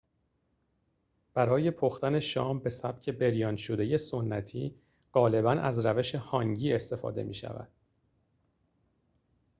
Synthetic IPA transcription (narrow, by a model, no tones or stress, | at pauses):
b̥æɾɒːje̞pʰoxt̪æne̞ʃɒːmbe̞sæb̥cʰe̞be̞ɾjɒːnʃod̪e̞je̞sonːæt̪ʰiː | ɢ̥ɒːle̞bænʔæ̰zɾæve̞ʃe̞hɒŋɟiːe̞st̪e̞fɒ̰ːd̪e̞̰mḭːʃæ̰væ̰d̪̥̚